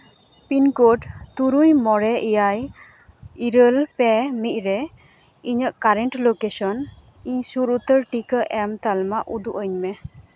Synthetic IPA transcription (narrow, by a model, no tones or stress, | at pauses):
pinkoʈt̪uɾujmɔɾɛʔijaj | iɾəlpemic̚ɾɛ | iɲəʔkaɾɛnʈlokesɔn | iɲsuɾut̪əɾʈikəʔɛmt̪almaʔud̪uʔəɲmɛ